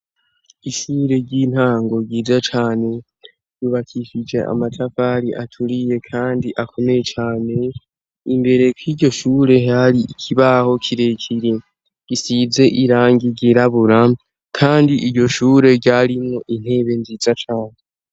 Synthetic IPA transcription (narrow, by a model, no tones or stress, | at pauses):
iʃuːɾe̞ɟiːn̥haːŋɡo̞ɟiːzat͡ʃaːne̞ | juβakʰiʃid͡ʒe̞̰ʔa̰matʰafaɾiʔatʰuɾije̞kʰaːndiʔakʰo̞me̞je̞t͡ʃaːne̞ | imbe̞ɾe̞kiɟo̞ʃuːɾe̞haɾiicʰiβaho̞kʰiɾe̞cʰiɾe | ɡ̥isiːze̞ʔiɾaːŋɡiɟiɾaβuɾa | kʰaːndiʔiɟo̞ʃuːɾe̞ɟaɾimŋoʔin̥he̞ːβe̞nzizat͡ʃaːne